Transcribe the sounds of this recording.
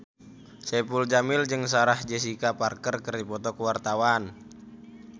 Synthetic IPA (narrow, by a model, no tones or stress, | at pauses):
sɛpuld͡ʒamɪld͡ʒɨŋs̬aɾahd͡ʒɛs̬ikaparkərkərdipɔt̪ɔkəwart̪awan